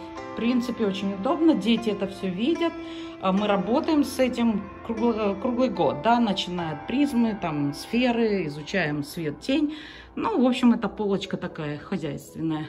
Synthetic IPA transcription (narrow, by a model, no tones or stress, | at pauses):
fpɾʲint̪sɨpʲɪot͡ɕɪnʲʊd̪o̞bnədʲetʲɪɛt̪əfsʲɵvʲidʲət̪̚ | mɨɾɐbo̞t̪əjɪmsɛtʲɪm | kɾuɡlˠkɾuɡlˠɨjɡo̞t̪̚d̪anət͡ɕɪnajʊt̪̚pɾʲizmɨt̪amsfʲeɾɨɪzʊt͡ɕæjɪmsvʲet̪̚dʲenʲ | nuvo̞pɕːɪmɛt̪əpo̞lˠət͡ɕkət̪ɐkajəxɐzʲæjst̪vʲɪnːəjə